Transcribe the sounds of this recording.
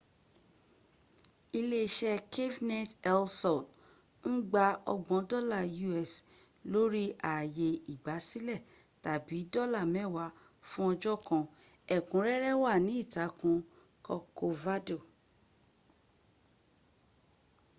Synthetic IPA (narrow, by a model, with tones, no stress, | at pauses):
i˧le˦ʃɛ˦kʰe˦vnɛ˦˨tɛ˦lsɔ˨n | n̩˦ɡ͡ba˧ɔ̰˧ɡ͡bɔ̃˨˦dɔ˦˨la˦˨ju˧ɛ˨s | lo˦ɾi˦ʔa˨je˧i˨ɡ͡ba˨˦si˦lɛ˦˨ | ta˨bi˨˦dɔ˦˨la˦˨mɛ̃˦˨wa˨˧˦ | fũ˦ɔ˧d͡ʒɔ˦˨kɔ̃˧ | ɛ˨kũ˨˦ɾɛ˦ɾɛ˦wa˦˨nĩ˨˦i˦˨ta˨˦kũ˧ | kɔ˧ko˧va˦do˦˨